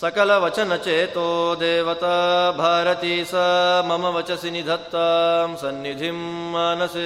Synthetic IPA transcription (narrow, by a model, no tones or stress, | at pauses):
sɐkɐlɐʋɐt͡ʃɐnɐt͡ʃeːt̪oːd̪eːʋɐt̪ɐbʱaːɾɐt̪iːsɐmɐmɐʋɐt͡ʃɐsinid̪ʱɐt̪ʋɐmsɐnːid̪ʱimːaːnɐse